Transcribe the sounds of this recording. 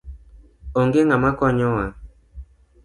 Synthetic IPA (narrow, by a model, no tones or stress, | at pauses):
oŋɡeŋamakɔɲɔwa